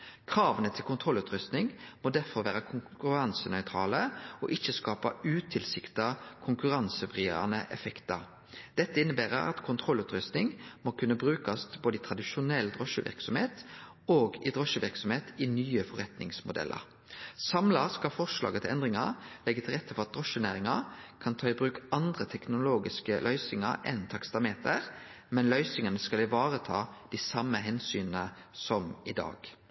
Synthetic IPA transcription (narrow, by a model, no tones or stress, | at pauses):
kʰʁɑːʋənət̪ʰɪlkʊnt̪ʰʁɔlːʉːt̪ɾʏst̪nɪŋmoːd̪æʁfɔʁʋæːɾəkʰʊŋkʉʁɑnsənœʏt̪ʰʁɑːləɔʔɪçːəskɑːpɑʉːt̪ʰɪlsɪkt̪ɑkʰʊŋkʉʁɑnsəbʁɪ̰ɾɑ̰nəʔɛfɛkt̪ɑɾ | d̪̥ɛt̪ːəɪnːəbæːʁə̰ʁɑ̰t̪kʰʊnt̪ʰʁɔlːʉːt̪ɾʏst̪nɪŋmoːkʰʉnːəbɾʉːkɑst̪boːd̪əɪt̪ʰʁɑd̪ɪʃʊnɛld̪ʁɔʃəʋɪ̰ʁksɔmheːt̪ | oːɡɪd̪ʁɔʃəʋɪʁksɔmheːt̪ɪnyːəfɔʁɛt̪nɪ̰ŋsmʊd̪ɛ̰lʔə̰ʁ | sɑmlɑskɑlfɔʁʂlɑ̰ːɡət̪ʰɪlɛnd̪ʁɪŋɑʁlɛɡːət̪ʰɪlʁɛt̪ːəfɔʁɑt̪̚d̪ʁɔʃənæːʁɪŋɑkʰɑnt̪ʰɑːɪbʁʉːkɑnd̪ʁət̪ʰɛknʊloːɡɪskəlʔœʏsɪŋɑ̰ɾɛnt̪ʰɑkst̪ɑmeːt̪əʁ | mɛnlœʏsɪŋənəskɑlɪʋɑːʁət̪ʰɑ̰ːd̪̥isɑmːəɦɛnsyːnənəsɔmɪd̪ɑ̰ːɡ̥